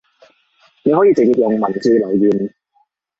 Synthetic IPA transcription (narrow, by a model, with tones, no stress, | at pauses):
ne˨˧jhɔ˨˥jiː˨˧t͡se˨k̚jiː˨p̚jʊ˨ŋmɐ˨˩nt͡siː˧lɵ˨˩ɥjiː˨˩n